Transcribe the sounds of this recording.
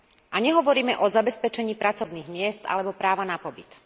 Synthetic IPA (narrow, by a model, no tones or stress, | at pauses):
ʔaɲɛɦɔʋɔɾiːmɛʔɔzabɛspɛt͡ʃɛɲiːpɾat͡sɔʊniːɣmɪɛst̪a̰lɛbɔpɾaːʋanapɔbit̪